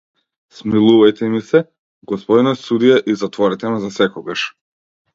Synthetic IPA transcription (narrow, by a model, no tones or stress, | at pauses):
smilˠuvajt̪ʰɛmisɛ | ɡɔspɔd̪nɔsud̪ijaʔizat̪vɔɾɛt̪ɛmɛzasɛkɔɡaʃ